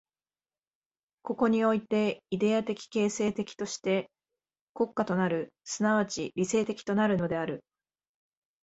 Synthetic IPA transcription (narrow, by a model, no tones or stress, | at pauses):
ko̞ko̞ɲ̟io̞it̪e̞id̪e̞at̪e̞kʲi̥ke̞ːse̞ːt̪e̞kʲi̥t̪o̞ɕi̥t̪e̞ | ko̞kːat̪o̞naɾɯ̟sɨnaβ̞at͡ɕiɾʲise̞ːt̪e̞kʲi̥t̪o̞naɾɯ̟no̞d̪e̞aɾɯ̟